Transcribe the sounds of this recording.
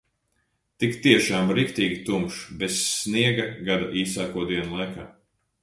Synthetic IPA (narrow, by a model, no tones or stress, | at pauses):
t̪ikt̪iɛʃaːmɾikt̪iːɡʲit̪umʃbesniɛɡɐɡad̪aʔiːsaːkuɔd̪iɛnulˠajkaː